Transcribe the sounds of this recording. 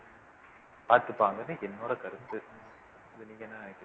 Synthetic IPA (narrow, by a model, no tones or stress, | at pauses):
paːɾt̪ɯpːaːŋɡɐnːɯɛnːoːɾɐkɐɾɯt̪ːɯ | ɐðɯniːjɐnːaːnɐkː